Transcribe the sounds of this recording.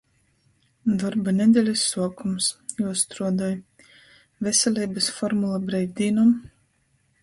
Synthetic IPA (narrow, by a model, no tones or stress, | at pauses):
d̪ɔɾbanʲɛd̪ʲɛlʲisːuɔkumsjuɔst̪ɾuɔd̪ɔj | vʲɛsʲɛlʲɛjbɨsfɔɾmulˠabɾɛjɡʲd̪ʲiːnɔm